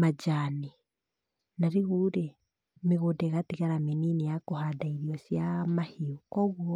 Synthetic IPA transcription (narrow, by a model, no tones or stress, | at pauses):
mad͡ʒaːni | naɾeɣuɾe | meɣodɛɣatiɣaɾameninejakohadaiɾiɔsjamahiokɔɣwɔ